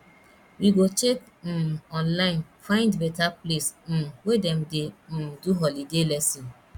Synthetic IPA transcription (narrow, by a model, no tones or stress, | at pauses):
iɡot͡ʃek̩ | ɔnlaɪnfãɪ̃ndbetaplesm̩wedem̩dɪm̩duɦɔlidelɛsi